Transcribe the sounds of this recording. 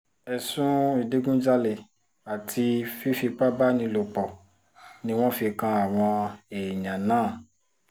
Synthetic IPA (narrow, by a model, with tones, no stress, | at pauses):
ɛ˧sũ˦i˨de˦ɡũ˦d͡ʒa˧le˨ | a˨tʰi˧fi˦fi˧k͡pa˦ba˦nĩ˧lo˨k͡pɔ˨ | nĩ˧w̃ɔ̃˦fi˧kã˧a˨w̃ɔ̃˧e˨ɲã˨nãː˦˨